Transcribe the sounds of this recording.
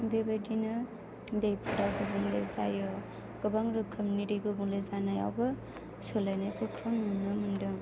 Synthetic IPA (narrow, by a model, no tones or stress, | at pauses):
bebadinɯ | dejpʰuɾaɡɯbuŋlḛza̰jɔ | ɡ̥ɯbaŋɾɯkʰɔmuniɾiɡɯbuŋlezanaja̰wbɐ | solajnajbɯkʰɾɔnunnɯmundɯ